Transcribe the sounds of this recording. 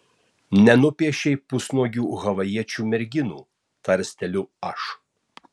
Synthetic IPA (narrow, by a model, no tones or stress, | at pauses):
nʲɛnʊpʲiɛʃʲɛɪpʊsnoːjʲuːɣɐʋɐjiɛt͡ʃʲuːmʲɛɾʲɡʲɪnṵː | t̪ɐɾʲsʲt̪ʲɛlʲʊɐʃ